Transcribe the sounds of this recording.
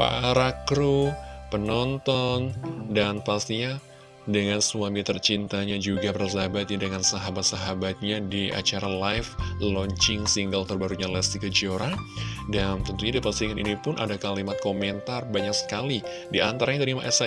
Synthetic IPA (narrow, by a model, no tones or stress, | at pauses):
pa̰ɾakɾupənɔnt̪ɔndanpast̪iɲa | dəŋansuamit̪ərt͡ʃint̪aɲad͡ʒuɡabərzabat̪̚adəŋansaɦabat̪̚saɦabat̪̚ɲadiʔa̰t͡ʃaɾalajflɔɲt͡ʃɪŋsiŋɡəlt̪ərbaɾuɲalɛst̪iɡəd͡ʒoɾadant̪ənt̪uɲadipast̪iŋanʔḭnipʊnʔa̰dakalimat̪̚komɛnt̪arbaɲaksə̥kali | diʔant̪aɾaɲat̪əɾimaʔɛsa